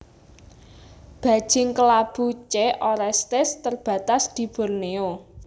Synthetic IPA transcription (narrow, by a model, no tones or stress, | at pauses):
b̥ä̤̥ʒ̥ɪŋkəlab̥ut͡ʃeʔoɾɛst̪ɪst̪ərb̥ä̤t̪asd̪̥i̤b̥ɔ̤rneo